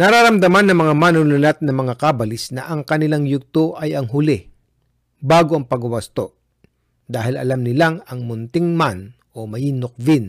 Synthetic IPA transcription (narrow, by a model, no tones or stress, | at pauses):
nɐɾaɾɐmd̪ɐmanːɐŋmɐŋamanʊlʊnat̪̚nɐmɐŋakabɐlɪsnɐʔɐŋkɐnɪlaŋjʊɡ̚t̪oʔɐjɐŋɦʊlɪ | baːɡoʔɐŋpɐɡʊwɐst̪o | d̪aːhɪlɐ̰lamnɪlaŋɐŋmʊnt̪ɪŋman | ʔomɐjinok̚vɪn